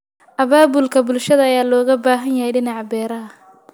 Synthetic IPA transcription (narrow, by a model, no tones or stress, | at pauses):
ʔɐβaːbʊlkʰɐbʊlʃɐðɐɐjaːlɔːɣɐbaːɦɐnjɐhɛjɖɪnɑʕbɛːɾɐɦɐ